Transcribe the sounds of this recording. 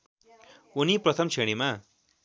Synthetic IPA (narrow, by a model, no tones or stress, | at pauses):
uniprʌt̪ʰʌmt͡sʰeɽ̃ima